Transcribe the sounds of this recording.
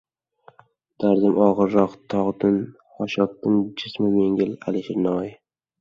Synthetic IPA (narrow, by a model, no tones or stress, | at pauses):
d̪̥aɾd̪ɪmɒʁɨɾːɒqt̪ʰɒʁd̪ɪn | hɒʃɒt̪ːɪnd͡ʒɪsmɪmeŋɡʲɪla̰lɪʃɪɾnɒj